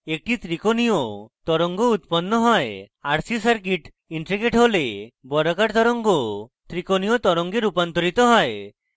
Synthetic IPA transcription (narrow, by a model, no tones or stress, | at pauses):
ek̚ʈit̪ɾikonijɔt̪ɔɾɔŋɡɔut̪̚pɔnːɔɦɔeaɾsisaɾk̬iʈ | iɳʈɾiɡeʈɦolebɔɾɔkaʈt̪ɔɾɔŋɡɔt̪ɾikonijɔt̪ɔɾɔŋɡeɾupant̪ɔɾit̪ɔɦɔe